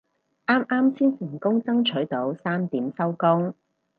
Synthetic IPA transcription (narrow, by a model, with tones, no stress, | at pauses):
ʔaː˥mʔaː˥mt͡sʰiː˥nsɪ˨˩ŋkʊ˥ŋt͡sɐ˥ŋt͡ʃʰɵ˨˥ɥt̪o˨˥wsaː˥mt̪iː˨˥msɐ˥wkʊ˥ŋ